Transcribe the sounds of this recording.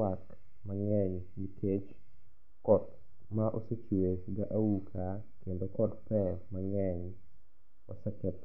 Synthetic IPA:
ak | maŋɛɲ | mitʰet͡ʃ | kɔt̪̚ | maʔoset͡ʃuesɡaʔawukʰa | kendokɔtpɛmaŋɛɲ | osɛkɛt̪

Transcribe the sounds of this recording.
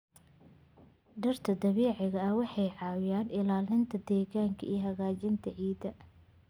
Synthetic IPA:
ɖɐrt̪ʰɐd̪ɐβɛːʕɪɣɐɐwɑħɑjʕɑːwjaːnɪlaːlɪnt̪ʰɐd̪ɛːɣaːŋkʰɐijɐɦɐɣaːt͡ʃɪnt̪ʰɐʕiːd̪ɐ

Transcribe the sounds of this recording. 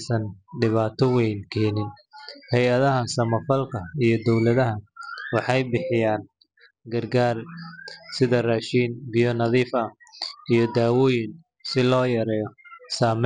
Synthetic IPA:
sɐnɖɪβaːt̪ʰɔwɛjnkʰɛːnɪnhɛjɐðɐɦɐsɐmɐfɐlkʰɐijɞd̪ɔwlɐðɐɦɐwɑħɑjbɪħɪjaːn | ɡɐrɡaːr | sɪðɐrɐʃiːnbɪjɔnɐðiːfɐ | ijɞd̪aːwɔːjɪn | sɪlɔːjɐɾɛːjɔsaːmɛ

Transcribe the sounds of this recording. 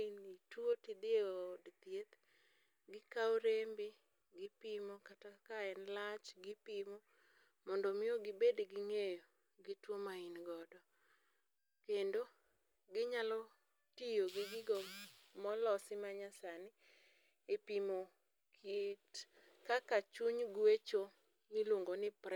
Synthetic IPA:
initwotid̪ɪodt̪jet̪ | ɡɪkawoɾembi | ɡɪpimokatakaɛnlat͡ʃɡɪpimo | mɔndɔmɪoɡɪbedɡɪŋejo | ɡɪtwomainɡɔdɔ | kendo | ɡɪɲalɔ | tijoɡiɡɪɡɔmɔlɔsɪmaɲasanɪ | epimo | kʰit | kakat͡ʃuɲɡwet͡ʃo | mɪloŋɡonɪpɾɛ

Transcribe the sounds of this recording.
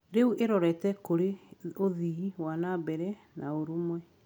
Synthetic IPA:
ɾeuʔeɾɔɾɛtɛkoɾeoðiiwanabɛɾɛ | nʔaoɾumwɛ

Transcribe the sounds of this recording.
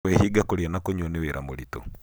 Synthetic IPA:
wɛhiɡakoɾianakoɲɔneweɾʔa̰moɾito̰

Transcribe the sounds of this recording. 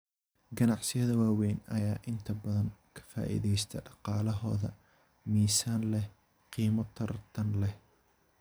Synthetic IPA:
ɡɐnɑʕsɪjɐðɐwaːwɛjnɐ̰jaːʔɪnt̪ʰɐbɐðɐŋkʰɐ̥fa̰ːʔḭːðɛjst̪ʰɐ̰ɖɑqɑːlɐɦɔːðɐ̰ | miːsaːnlɛ | qiːmɔt̪ʰɐrt̪ʰɐnlɛh

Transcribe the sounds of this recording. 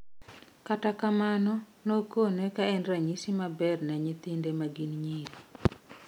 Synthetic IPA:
katakamanɔ | nokonekaɛndɾaɲisimabɛrnaɲit̪ɪndemaɡinɲiɾi

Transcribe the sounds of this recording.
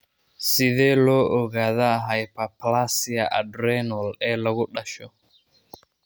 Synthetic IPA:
siðɛlɔʔɔɣaðaɦajpaplasiaʔa̰dɾɛnɔlɛlɔɣuɗaʃɔ

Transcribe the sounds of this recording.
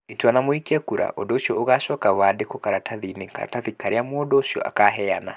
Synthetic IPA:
etuanamoikiɛkuɾa̰ʔodoʃiɔoɣaʃɔkaβadekokaɾatʰaðineka̰ɾa̰taðikaɾeamodoʃjɔ̰ʔa̰kaɦɛana̰

